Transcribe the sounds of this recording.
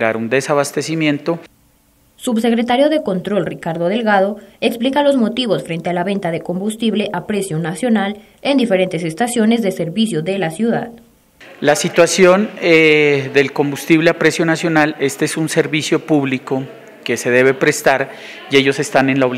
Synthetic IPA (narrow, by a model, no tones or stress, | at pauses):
ɣaɾund̪e̞saβast̪e̞simjẽ̞nt̪o̞ | subse̞kɾe̞t̪aɾjo̞ðe̞ko̞nt̪ɾo̞lrikaɾðo̞ð̞e̞lɣað̞o̞eksplikalo̞zmo̞t̪iβo̞sfɾe̞nt̪e̞alaβe̞nt̪aðe̞ko̞mbust̪iβle̞ʔapɾe̞sjo̞nasjo̞nal | end̪ife̞ɾe̞nt̪e̞s̬e̞st̪asjo̞ne̞zðeseɾβisjo̞ðe̞lasjuða̰ð | lasit̪wasjo̞neðe̞lko̞mbust̪iβleapɾe̞sjo̞nasjo̞nale̞st̪eesunse̞ɾβisjo̞puβliko̞ | ke̞se̞ðe̞βe̞pɾe̞st̪aɾ | ie̞ʝo̞se̞st̪ane̞nlaoβ